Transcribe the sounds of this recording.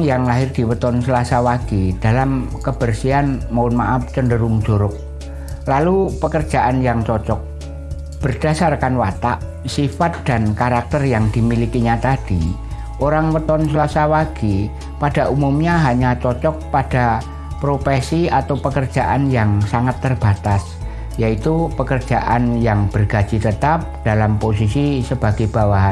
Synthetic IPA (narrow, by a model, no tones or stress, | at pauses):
jaŋlaɦɪrd̪̥i̤wət̪ɔnsəlasawaɡ̥id̥alamkəb̥ərsianmaʊnma̰ʔaft͡ʃəndəɾʊŋ̥ʒ̥oɾʊk̚ | lalupəkərd̥d͡ʒ̥a̤ʔanjaŋt͡ʃɔt͡ʃɔk̚ | b̥ərd̥a̤sarkanwat̪aʔ | sifat̪̚d̪̥ankaɾak̚t̪ərjaŋd̪̥imilikiɲat̪ad̥i | ʔoɾaŋwət̪ɔnsəlasawaɡ̥i | pada̤ʔumumɲaɦaɲat͡ʃɔt͡ʃɔk̚pad̥a | pɾofesiat̪awpəkərd͡ʒ̥aʔanjaŋsaŋat̪ːərb̥at̪as | jait̪upəkər̥d͡ʒ̥aʔa̰njaŋb̥ərɡ̥a̤d͡ʒ̥it̪ət̪ap̚d̥alampos̬isisəb̥aɡ̥ajb̥awaɦan